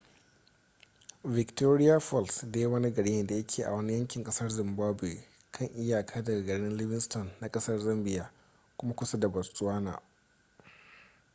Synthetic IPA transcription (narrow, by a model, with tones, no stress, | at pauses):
vɪ˨ktoː˦ɾɪ˦ja˦fɔ˦˨lsdeː˦wɐ˦ni˦ɡɐ˨ɽiː˦jɛ˦˨da˨jɐ˦kʲʰeː˨ʔa̰˨wɐ˦ni˦jɐ˦ŋkʲɪ˨ŋkʼɐ˦sɐ˦rzɪ˨mbaː˦bu˨ḛ˨ | kʰɐ˦˨ŋʔɪ˦jaː˨kʰaː˦dɐ˨ɡa˨ɡɐ˨ɽɪ˦nlɪ˦bɪ˦nstɔ˨nːa˨kʼɐ˦sɐ˦rzɐ˦mbɪ˦jaː˨ | kʷʊ˦ma˦kʷʊ˦sɐ˦da˨bɐ˨rsʼu˦aː˦na̰ː˨